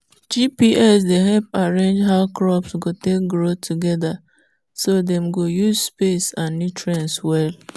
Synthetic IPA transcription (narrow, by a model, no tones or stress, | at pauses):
d͡ʒipiʔɛsdeɦɛp̚aɹẽnd͡ʒɦaʊkɾɔpsɡotek̚ɡɾotʰuɡɛda | sodɛmɡojuzspesãnːitɹɛ̃nswɛl